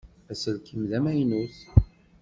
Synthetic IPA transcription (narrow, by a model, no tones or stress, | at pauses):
æsəðkimðæmæjnuθ